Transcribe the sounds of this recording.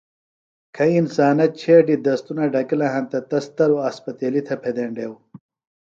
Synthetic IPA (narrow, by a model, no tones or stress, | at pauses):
kʰɐinsaːnɐt͡ɕʰeːʈid̪ɐst̪unɐɖɐkilɐɦɐ̃nt̪ɐt̪ɐst̪ɐɾuɐspɐt̪eːlit̪ʰɐpʰed̪eɳɖeːw